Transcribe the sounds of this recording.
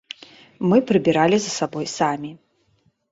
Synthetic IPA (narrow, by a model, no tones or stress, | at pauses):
mɨpɾɨbʲiɾalʲizɐsabɔjsamʲi